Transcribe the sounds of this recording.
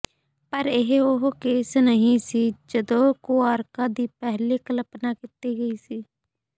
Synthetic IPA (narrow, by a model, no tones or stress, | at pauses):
pəɾɪɦoɦkeːsnəɦĩsid͡ʒəd̪okoaːɾkad̪iːpɛɦlikələpnakɪt̪ːiɡəisiː